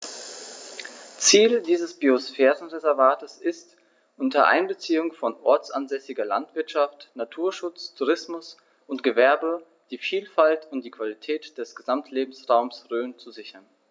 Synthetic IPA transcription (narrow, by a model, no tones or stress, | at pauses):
t͡siːldiːzəsb̥iosfɛːʁənʁezɛɐvaːtəsɪst | ʔʊntɐʔa̰ɪnbət͡siːʊŋfɔnʔɔɐt͡sʔa̰nzɛsɪɡɐla̰ntv̥ɪɐtʃaftnatʰuːɐʃʊt͡stʰuʁɪsmʊs | ʔʊntɡ̥əvɛɐbə | d̥iːfiːlfaltʰʊntd̥iːkv̥alitʰɛːtd̥ɛsɡ̥əzamtʰleːbm̩sʁaʊmsʁøːnt͡suzɪçɐn